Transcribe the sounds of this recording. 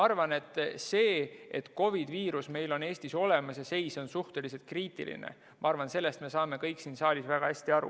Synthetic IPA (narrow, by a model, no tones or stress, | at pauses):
mɑɑrvɑne̞t̪ːˑse̞ːet̪ko̞vid̪̥viːɾusme̞jlo̞ne̞ːsʲt̪iso̞le̞mɑsjɑse̞jso̞nsuht̪e̞lis̬elt̪̚kriːt̪ˑḭlḭnḛ | mʔɑɑrvɑnse̞lːest̪me̞sɑːme̞kɤjksiːnsɑːlʲisvæɡ̥ɑhæsʲt̪iɑɾṵ